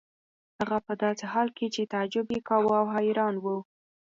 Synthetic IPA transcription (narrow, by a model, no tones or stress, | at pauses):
haɣapəd̪ɑseɦɑlket͡ʃet̪aad͡ʒʊbekɑwawɦɑjɪɾɑnwu